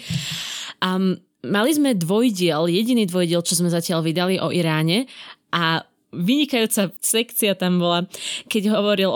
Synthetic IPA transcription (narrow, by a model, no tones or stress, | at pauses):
malizmɛd̪ʋɔjɟɪɛljɛɟiniːd̪ʋɔjɟɪɛlt͡ʃɔzmɛzacɪalʋid̪aliʔɔʔiɾaːɲɛʔa | ʋiɲikajuːt͡sasɛkt͡siat̪ambɔlakɛɟɦɔʋɔɾil